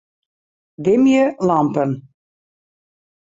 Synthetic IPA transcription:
dɪmjəlɑmpən

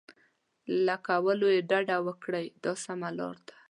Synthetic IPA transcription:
lakawəlojeɖaɖawəkɽəjd̪ɑsamalɑ̰ɾd̪ḁ

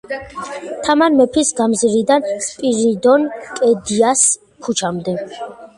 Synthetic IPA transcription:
t̪ʰamanmɛpʰisɡamziɾid̪anpʼiɾid̪ɔnkʼɛd̪ias | kʰut͡ʃʰamd̪ɛ

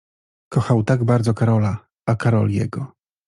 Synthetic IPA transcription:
kɔxawt̪aɡbaɾd̪zɔkaɾɔla | akaɾɔ̰ljɛ̰ɡɔ

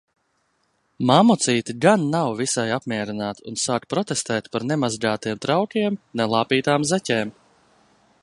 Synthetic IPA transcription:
maːmɔt̪siːt̪iɡanːawvisajapmʲiɛɾinaːt̪unsaːk̚t̪̚pɾɔt̪est̪ɛːt̪paɾnɛmazɡaːt̪iɛmt̪ɾawkʲiɛmnɛlˠaːpiːt̪aːmzɛcʲɛːm

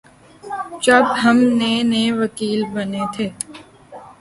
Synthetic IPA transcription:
t͡ʃɐbɦɐmneneʋɐkiːlbɐnet̪ʰeː

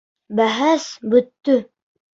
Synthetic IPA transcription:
bæɦæsbɵ̆t̪ːɵ

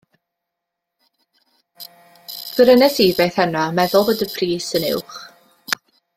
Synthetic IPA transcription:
kɪɾənɛsiːvejθɛnamɛðʊlˠvodəpʰriːsənɪ̰wχ

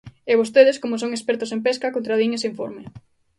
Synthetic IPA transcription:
eβost̪eð̞eskomosoŋespɛɾt̪ʊsempeskakont̪ɾaðiɲesiɱfo̰ɾme

